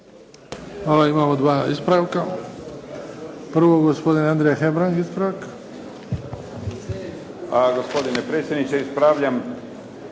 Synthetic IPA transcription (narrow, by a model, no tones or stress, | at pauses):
xʋaːlaimaːmod̪ʋaːispɾaʋka | pr̩ʋoɡospo̞d̪ineand̪ɾejaxebɾaŋɡispɾak | aɡospod̪inepɾeːt̪sʲjed̪nit͡ʃeispɾaːʋʎam